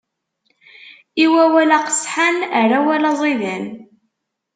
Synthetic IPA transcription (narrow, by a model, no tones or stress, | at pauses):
iwæwælæqə̥sħanəɾæwælɑzˤiðən